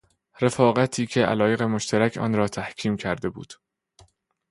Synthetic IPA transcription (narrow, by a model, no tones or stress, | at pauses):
ɾe̞fɒːɣæt̪ʰiːcʰe̞ʔæ̰lɒːje̞ɣe̞mo̞ʃt̪ʰæɾæcʰɒ̰ːnɾɒːt̪ʰæhcʰiːmcʰæɾd̪e̞bṵːd̪̥